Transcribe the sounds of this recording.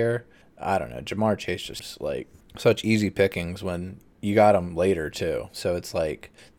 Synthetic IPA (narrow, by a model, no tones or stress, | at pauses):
ɹ | ʔa̰ɪdɾõʊ̃nːo̰ʊd͡ʒɨmɑɹt͡ʃʰeɪzd̥d͡ʒ̥ʌsstla̰ɪk̚sʌt͡ʃizipʰɪkɪ̃ŋzwə̃n | jɨɡɑɾə̃mleɪɾə˞tʰʉsoʊɨtslaɪk